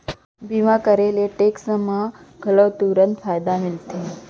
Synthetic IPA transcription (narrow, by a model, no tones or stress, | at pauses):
bimakəɾeleʈeksəmaɡʱələwt̪uɾənt̪fajd̪amilt̪e